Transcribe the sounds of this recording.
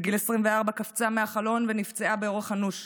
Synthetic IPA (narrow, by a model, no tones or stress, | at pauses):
ɡilesʁimveaʁbakaft͡sameaχalo̞nvenift͡seabeo̞ʁeχhanuʃ